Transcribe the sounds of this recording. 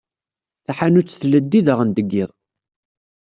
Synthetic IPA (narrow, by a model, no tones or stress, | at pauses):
θaħanut͡sːθləd̪ːiðəʁənd̪əɡːiðˤ